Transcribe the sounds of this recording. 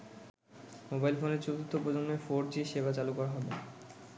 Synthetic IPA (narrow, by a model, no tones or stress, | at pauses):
mobajlfoneɾt͡ɕot̪ut̪ːopɾod͡ʑonːofoɾd͡ʑiʃebat͡ɕalukɔɾaɦɔbe